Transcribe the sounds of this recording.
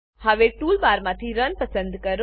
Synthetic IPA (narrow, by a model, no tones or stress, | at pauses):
haʋeʈulbaɾmãt̪ʰiɾənpəsə̃nd̪kəɾ